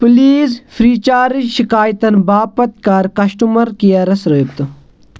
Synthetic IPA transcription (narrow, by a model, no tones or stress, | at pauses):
puliːzfʰɾiːt͡ʃaːɾiʃikaːjt̪ɐnbaːpɐt̪̚kɐɾkɐʃʈumɐɾkijɐɾɐsɾɐp̚t̪u